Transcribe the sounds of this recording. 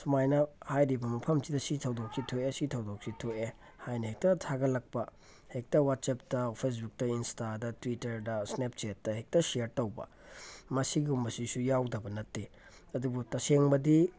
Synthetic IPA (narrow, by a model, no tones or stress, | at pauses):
sumajnɐhajɾibɐmɐpʰɐmzidɐsitʰɐwdok̚sitʰoesitʰɐwdok̚sitʰoe | hajnɐhek̚tɐtʰaɡɐlɐk̚pɐ | hek̚tɐwat̚sep̚tɐpʰes̬buk̚tɐinstadɐtwitɐɾdɐsnep̚t͡ʃetːɐhek̚tɐseɾtɐwbɐ̰ | mɐsiɡiumbɐsisujawdɐbɐnɐtːi | ɐdubutɐseŋbɐdi